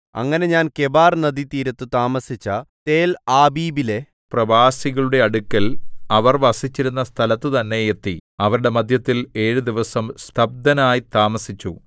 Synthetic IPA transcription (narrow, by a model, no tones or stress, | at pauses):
ɐ̰ŋːɐne̞ɲaːnke̞baːrnɐd̪it̪iːɾɐt̪ːɨt̪aːmɐsit͡ɕːɐt̪e̞ːlaːbiːbile̞ | prɐʋaːsiɣɐɭuɽe̞ɐɽukʲːɐlɐʋɐrʋɐsit͡ɕːiɾun̪ːɐst̪ʰɐlɐt̪ːɨt̪ɐnːe̞et̪ːiɐʋɐɾuɽe̞mɐd̪ʱjɐt̪ːile̞ːɻud̪iʋɐsɐmst̪ʰɐb̚d̪ɐnaːjit̪aːmɐsit͡ɕːu